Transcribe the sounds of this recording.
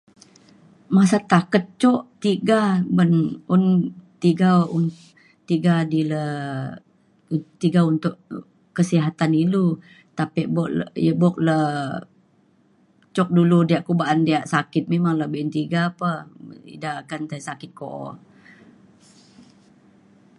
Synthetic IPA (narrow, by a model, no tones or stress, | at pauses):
masat̪akət̪̚t͡ʃɔʔt̪iɡabənunt̪iɡaun | t̪iɡadilə | t̪iɡaunt̪ʊʔ | kəsiɦat̪anilu | t̪apiʔbɔʔljəbɔʔ̚lə | t͡ʃɔk̚duludiaʔkubaʔandiaʔsakɪt̪̚memaŋləbɪʔnt̪iɡaːpəḭdakant̪asakɪt̪̚koʔ